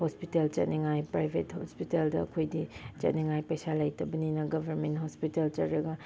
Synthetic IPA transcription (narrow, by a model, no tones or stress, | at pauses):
hospitelt͡ʃɐt̚niŋajpɾajbʱethospiteldɐɐkʰojdit͡ʃɐ̰t̚niŋajpɐjsalɐjtɐbɐninɐɡɐbʱɐɾmenthospitelt͡ʃɐɾɾɐɡɐ